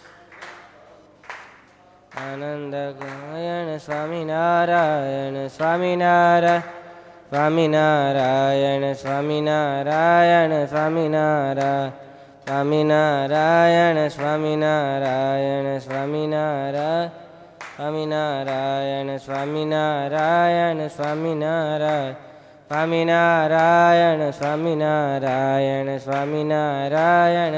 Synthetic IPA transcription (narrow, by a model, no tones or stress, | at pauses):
aːnənd̪əkjənsʋaːminaɾajənsʋaːminaɾasʋaːminaɾajənsʋaːminaɾajənsʋaminaɾa | sʋaːminaɾajənəsʋaminaɾajənsʋaminaɾa | sʋaminaɾajənsʋaminaɾajansʋaminaɾa | sʋaminaɾajənsʋaminaɾajənsʋaminaɾajan